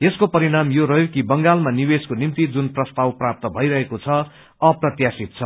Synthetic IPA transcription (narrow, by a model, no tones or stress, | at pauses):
eskopʌɾinamjoɾʌɦjokibʌŋɡalmanibeskonimt̪id͡zunprʌst̪awprap̚t̪ʌbʱʌiɾʌɦekot͡sʰʌ | ʌprʌt̪jasit̪̚t͡sʰʌ